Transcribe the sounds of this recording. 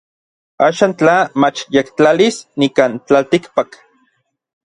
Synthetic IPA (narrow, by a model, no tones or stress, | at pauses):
aːʃaːnt͡ɬamat͡ʃjekt͡ɬalisnikant͡ɬalt̪ikpak